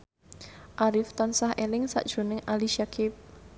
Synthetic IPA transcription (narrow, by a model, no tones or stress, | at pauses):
ʔaɾɪft̪ɔnsahʔelɪŋsa̰ʔd̥ʒ̥ṳnɪŋʔaliʃakɪp̚